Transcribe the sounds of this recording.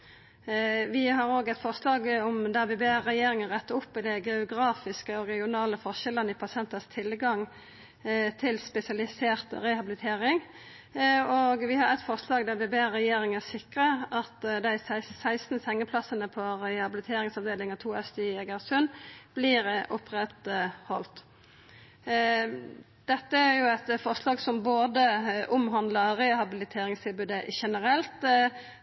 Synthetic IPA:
ʋɪɦɑʁoːɡɛt̪fɔʁslɑːɡɔmd̪æbebeːʁɛjeːɾɪŋənʁɛt̪ːəɾʊpːd̪æɡɛʊɡʁɑːfɪskəɔʁɛɡɪʊnɑːləfɔʁʃɛlənəɪpʰɑsɪɛnt̪əst̪ʰɪlɡɑŋ | t̪ʰɪlspɛsɪɑlɪseːʁt̪ʁɛhɑbɪlɪt̪ʰeːʁɪŋ | oːɡʋɪhɑʁɛt̪fɔʁslɑːɡd̪æbebeːʁɛjeːɾɪŋæsɪkʁəʔɑt̪d̪æɪsæɪssæɪst̪n̩sɛŋːəpʰlɑsənəpʰɔɾɛhɑbɪlɪt̪ʰeːɾɪŋsɑʋd̪eːlɪŋɑt̪ʰuːɛst̪iɛɡɑʁsʉnb̥liːɾəʔʊpʁɛt̪hɔlt̪ | d̪̥ɛt̪ːəæɾjʊæt̪fɔʁslɑːɡsɔmboːd̪əʔʊmɦɑnd̪ləɾeːhɑbɪlɪt̪ʰeːɾɪŋst̪ʰɪlbʉːd̪əʔʃɛnəɾɛlt̪

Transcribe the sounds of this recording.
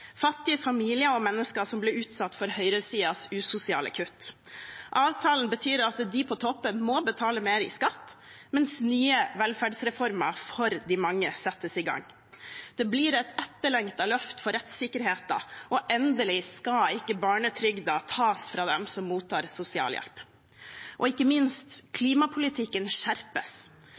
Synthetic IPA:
fɑt̪ːɪəfɑmiːlɪəɔmɛnːəskəʂɔmblɪɾʉːt̪sɑt̪ːfɔɾhœʏɾəsiːɑsʉsʊsɪɑ̰ːlə̰kʰʉt̪ː | ʔɑːʋt̪ʰɑːlənbət̪ʰyːɾɑt̪d̪ɪpʰɔt̪ʰɔpːənmɔbət̪ʰɑːləmeːɾɪ̰skɑt̪ːmɛnsnyːəʋɛlfæɖsɾɛfɔɾmə̰fɔɾd̪ɪmɑŋːəsɛt̪ːəsɪɡɑ̰ŋː | d̪̥ɛbliːɾɛt̪ɛt̪ːəɭɛŋt̪ɑlœft̪fɔɾɛt̪sɪkəɾheːt̪ɑ̰ɔʔɛnd̪əlɪskɑɪkːəbɑːɳət̪ʰɾʏɡd̪ɑt̪ʰɑːsfɾɑːd̪ɛmsɔmːuːt̪ʰːɑːɾsʊsɪɑ̰ːljɛ̰lp | ʔɔɪkːəmɪnst̪kʰliːmɑpʰʊlɪt̪ʰɪkːənʃæɾpəs

